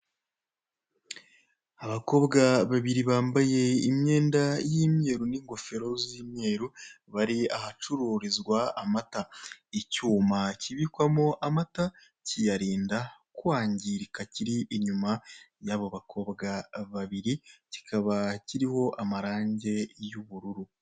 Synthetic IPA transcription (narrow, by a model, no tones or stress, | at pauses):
aβako̞ːbɡaβaβiɾiβaːmbaje̞imɲe̞ːndajimɲe̞ːɾuniːŋɡo̞fe̞ɾo̞ziːmɲe̞ːɾu | βaɾiahat͡ʃuɾuɾizɡwaːmataicuːmaciβikwamoʔamata | cijaɾiːndakuwaːɲɟiɾikaciɾiʔiɲuma | jaβoβakʰo̞ːβɡaβaβiɾici̥kʰaβaciɾiho̞ʔamaɾaːɲɟe̞juβuɾuɾu